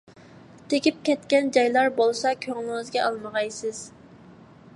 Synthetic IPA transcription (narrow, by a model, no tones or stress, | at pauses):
t̪ʰekʲip̚kʲɛt̪kʲɛnd͡ʒɑjlˠɑɾbolˠsɑkʲʰøŋlˠɪŋɪzɡʲɛʔɑlˠməʁɑjsɨz̥